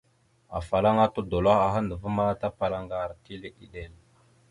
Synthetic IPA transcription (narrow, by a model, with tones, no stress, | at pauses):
a̰˨fa˨la˦ŋa˦tu˦do˨la˦a˨ɦa˦ndə˨və˦ma˦ta˦pa˨la˨ŋɡa˨ɾti˦le˨ɗi˨ɗe˨l